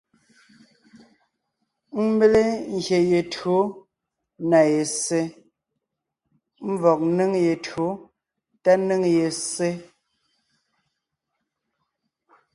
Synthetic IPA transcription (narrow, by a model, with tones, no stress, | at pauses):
m̩˦be˦le˦ŋ̩˨ɡje˨je˨to˨˦ | na˨je˨se˦ | m̩˦vɔ˨k̚nɨ˦ŋje˨to˨˦ | ta˦nɨ˦ŋje˨sːe˦